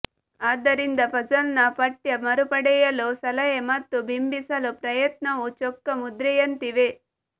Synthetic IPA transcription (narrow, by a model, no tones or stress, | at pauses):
aːd̪ɐɾind̪ɐpɐd͡ʒɐnnɐpɐʈjɐmɐɾupɐɽɛjɐlusɐlɐjemɐt̪ːubʱimbisɐlupɾɐjɐt̪nɐʋut͡ʃɔkːɐmud̪ɾɛjɐnt̪iʋe